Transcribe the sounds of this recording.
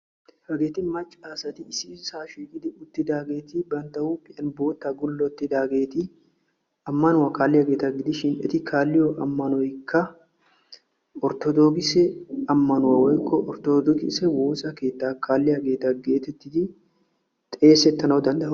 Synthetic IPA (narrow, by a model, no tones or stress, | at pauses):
hɐɡeːt̪ɪnmɐt͡ʃʼːaːsɐt̪ɪɪsɪsaːʃiːkʼɪd̪ɪʔʊt̪ːɪd̪aːɡe̞ːt̪ɪbɐnt̪ɐwupʼɪʔɐnbo̞ːt̪ːɐɡʊlːɔt̪ːɪd̪aːɡe̞ːt̪ɪ | ɐmːɐnʊwɐkaːlːɪhɐɡe̞ːt̪ɐɡɪd̪ɪʃɪnɛt̪ɪkʰaːlːɪjɔʔɐmːɐnɔjkʰːɐ | ɔɾt̪ɔd̪ɔɡɪsɛɐmːɐnʊwɐwɔjkʰːɔʔɔɾt̪ɔd̪ɔɡɪsɛwo̞ːsɐke̞ːt̪ːaːkʰaːlːɪhɐɡe̞ːt̪ːɐɡe̞ːt̪ɛt̪ːɪd̪ɪ | t̪ʼe̞ːsɛt̪ːɐnɐwɔd̪ɐnd̪ɐʔ